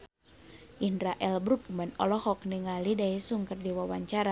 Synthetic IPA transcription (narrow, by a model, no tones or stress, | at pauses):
ʔinɾaʔɛlbɾupumɛnɔlɔhɔk̚niŋalidaisuŋkərdiwawaɲt͡ʃaɾa